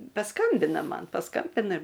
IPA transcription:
pɐˈskɐmʲbʲɪnɐ ˈmɐn pɐˈskɐmʲbʲɪnɐ

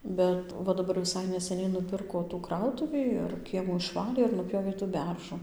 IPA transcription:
bʲɛt ʋɐ ˈdɑːbɐr nʲɛsʲɛˈnʲɛɪ nʊˈpʲɪrkoː tuː ˈkrɐʊtʊʋʲiː ɪr ˈkʲiɛmuː ɪʃˈʋɑːlʲeː ɪr nʊˈpʲjoːʋʲeː tuː ˈbʲɛrʒʊ

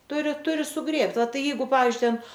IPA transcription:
ˈtʊrʲɪ ˈtʊrʲɪ sʊˈɡrʲeːpt ʋɐ ˈtɐɪ ˈjɛɪɡʊ ˈpɑːʋʲiːzʲd͡ʒʲʊɪ ˈtʲɛn

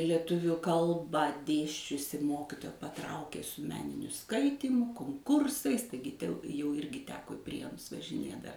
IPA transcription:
lʲiɛˈtʊʋʲʊ ˈkɐlˠbɑː ˈdʲeːsʲt͡ʃʲʊsʲɪ ˈmoːkʲɪtoːjɛ pɐˈtrɐʊkʲeː sʊ ˈmʲæːnʲɪnʲʊ ˈskɐɪtʲiːmʊ koːŋˈkʊrsɐɪs ˈtɐɪɡʲɪ tʲɛʊ jɛʊ ˈɪrʲɡʲɪ ˈtʲæːkoː ɪ ˈpʲrʲiɛnʊs ʋɐʒʲɪˈnʲeː dɐ

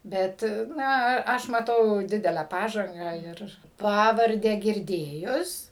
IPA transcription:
ˈbʲɛt ˈnɐ ɐ ˈɐʃ mɐˈtɐʊ ˈdʲɪdʲɛlʲæː ˈpɑːʒɐŋɡɑː ɪr ˈpɑːʋɐrʲdʲæː ɡʲɪrʲˈdʲeːjʊs

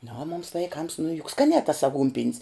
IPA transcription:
nʊ oː mʊms ʋɐɪˈkɐms nʊ jʊk ˈskɑːnʲɛː tɐs ɐˈɡuːnʲpʲɪnʲs

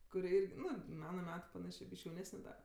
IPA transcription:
kʊˈrʲɪ ˈɪrʲɡʲɪ ˈnʊ ˈmɑːnɐ ˈmʲæːtʊ pɐˈnɑːʃʲeː ˈbʲiːʃʲkʲ jɛʊˈnʲæːsʲnʲɛ dɐ

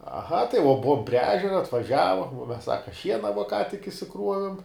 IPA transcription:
ɐˈɣɐ tɐɪ ʋuɔ ˈbʊʋoːm pʲrʲiɛ ˈæːʒʲɛrɐ ɐtʋɐˈʒʲæːʋoːm uɔ mʲɛs ˈsɑːkɐ ˈʃʲiɛnɐ ʋuɔ kɑː tʲɪk ɪʃʲsʲɪˈkruɔʋʲɪm

